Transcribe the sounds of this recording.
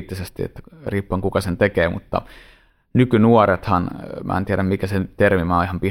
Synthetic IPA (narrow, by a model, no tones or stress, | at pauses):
t̪ːisest̪iḛt̪ːæ̥riːpːoŋkukɑsent̪ekeːmṵt̪ːɑ̰ | nykynuoɾet̪hɑnmʔæ̰ˑḛnt̪iæɾæmmikæsent̪ermimɑːihɑmpi